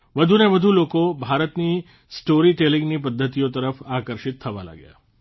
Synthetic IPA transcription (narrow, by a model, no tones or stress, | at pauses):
ʋəd̪ʱuneʋəd̪ʱulokobʱaɾət̪ni | sʈoɾiʈelĩŋɡnipəd̪ʱːət̪ijot̪əɾəfakəɾʃit̪ʰːəʋa̰la̰ɡja̰